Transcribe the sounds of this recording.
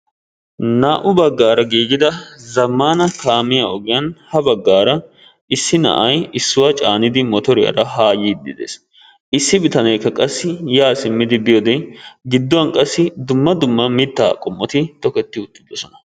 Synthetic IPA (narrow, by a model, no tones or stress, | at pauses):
naːʔʊbɐɡːaːɾɐɡiːɡɪd̪ɐzɐmːaːnɐkaːmɪjaɔɡɪjɐnhɐbɐɡːaːɾɐ | ɪsːɪnɐ̰ʔɐjɪsːʊwat͡ʃʼaːnɪd̪ɪmɔt̪ɔɾɪjɐ̰ɾɐɦaːjiːd̪ːɪd̪ḛːs | ɪsːɪbɪt̪ɐnɛjkːɐkʼɐsːɪjaːsɪmːɪd̪ɪb̪ɪjɔd̪ɛɡɪd̪ːʊwɐnkʼɐsːɪd̪ʊmːɐd̪ʊmːɐmɪt̪ːa̰ːkʼɔmːɔt̪ɪt̪ɔkɛt̪ːɪʊt̪ːɪ̥d̪ɔsɔnɐ̥